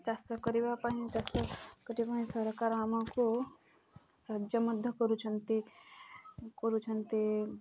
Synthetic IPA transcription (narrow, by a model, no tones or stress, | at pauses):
t͡ʃast̪əkəɾibapaɦĩt͡ʃast̪əkəɾipaɦĩsəɾkaɾaːmako | sɐɦd͡ʒəməd̪ʱːəkəɾut͡ʃʰɐnt̪i | kəɾut͡ʃʰɐnt̪i